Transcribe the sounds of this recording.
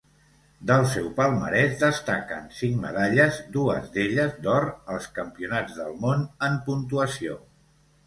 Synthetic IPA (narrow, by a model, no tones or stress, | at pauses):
d̪əlˠsɛwpəlˠmə̰ɾɛzd̪əst̪akə̰nsiŋmə̰ðaʎəzd̪uəzd̪eʎəzd̪ɔɾəlˠskəmpiunad͡zðəlˠmonəmpunt̪uəsio